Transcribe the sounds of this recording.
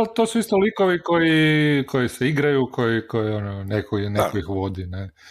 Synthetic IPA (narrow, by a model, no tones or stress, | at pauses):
alt̪oːsuist̪olikoʋikojiko̞jiseiɡɾajukʰo̞jikojiononekoinekoixʋo̞d̪ine